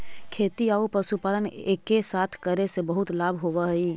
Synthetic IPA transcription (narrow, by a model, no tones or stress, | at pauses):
kʰeːt̪iaːupɾəʃupaːləneːkːesaːt̪ʰkəɾesebəɦʊt̪laːbʱɦoʋəɦiː